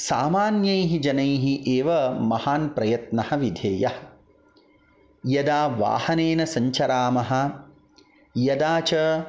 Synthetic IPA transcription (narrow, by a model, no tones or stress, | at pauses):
saːmaːnjɐjɦid͡ʒɐnɐjɦiʔeːʋɐmɐhaːnpɾɐjɐt̪nɐhɐ̆ʋid̪ʱeːjɐhɐ | jɐd̪aːʋa̰ːhɐneːnɐsɐɲt͡ʃɐɾaːmɐɦɐ̆ | jɐd̪aːt͡ʃɐ